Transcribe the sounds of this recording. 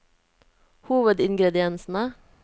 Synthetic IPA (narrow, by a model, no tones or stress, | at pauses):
huːʋəd̪ɪŋɡɾɛd̪ɪɛnsn̩ə